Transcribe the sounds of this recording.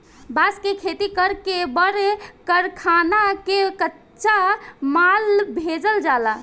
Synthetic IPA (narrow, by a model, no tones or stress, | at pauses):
baskekʰet̪ikəɾkebəɾekəɾkʰanakekətː | t͡ʃamalbʱed͡ʒəld͡ʒala